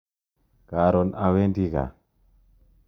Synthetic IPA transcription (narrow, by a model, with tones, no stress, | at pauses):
ka˨ɾo˨na˨we˦ndi˦ɡa̰˨